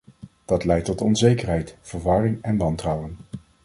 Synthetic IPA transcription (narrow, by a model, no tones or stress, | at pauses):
d̥ɑtlɛjtɔtɔnzejkəɹɦɛjtfəɹʋɑrɪŋɛnʋɑntrɑwən